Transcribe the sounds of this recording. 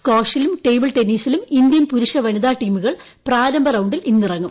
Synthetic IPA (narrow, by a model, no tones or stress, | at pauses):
koːʂilumʈejbiɭʈeniːsilumind̪jɐnpuɾuʂɐʋɐniðaːʈːiːmuɣɐɭ | praːɾɐmbʱɐrɐwɳɖilinːirɐŋːum